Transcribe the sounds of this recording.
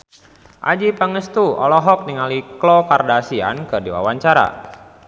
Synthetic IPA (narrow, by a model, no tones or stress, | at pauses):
ʔa̰d͡ʒipəŋəst̪uɔ̰lɔɦɔk̚niŋaliklɔkardasia̰nkɨrdiwa̰waɲt͡ʃaɾa̰